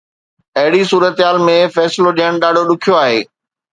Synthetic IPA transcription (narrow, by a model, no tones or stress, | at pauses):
ɐɦɪɽisuːɾət̪ɦaːlmẽfɛːsloɗiəɽ̃ɗaːɖʱoɗʊkʰijoaːɦḛː